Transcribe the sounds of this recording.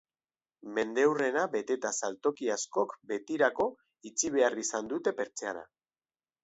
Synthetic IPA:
me̞nd̪ewre̞naβe̞t̪e̞t̪asalt̪o̞kiasko̞kbe̞t̪iɾako̞ | it͡siβe̞arisand̪ut̪e̞pe̞ɾt͡sea̰ɾa̰

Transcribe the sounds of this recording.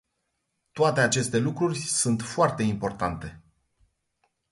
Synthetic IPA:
t̪oat̪e̞at͡ʃe̞st̪e̞lukɾurʲsunt̪foart̪e̞impo̞rt̪ant̪e̞

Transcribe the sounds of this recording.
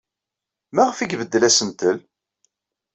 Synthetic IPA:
mæʁəfiɡvəd̪ːəlæsənt̪əl

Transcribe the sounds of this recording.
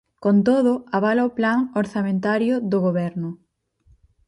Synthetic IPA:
kont̪oðʊaβ̞alaoplaŋoɾθamẽnt̪aɾjʊðʊɣoβɛɾnʊ

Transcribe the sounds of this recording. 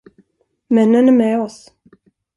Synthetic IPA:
mɛnːənæɾmɛːɔs

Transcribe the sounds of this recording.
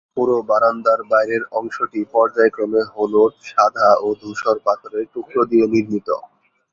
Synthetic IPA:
puɾobaɾand̪aɾbajɾeɾɔŋʃoʈipɔɾd͡ʑaekɾomeɦoloʈʃad̪ʱaod̪ʱuʃoɾpat̪oɾeʈukɾod̪ieniɾmit̪o̰

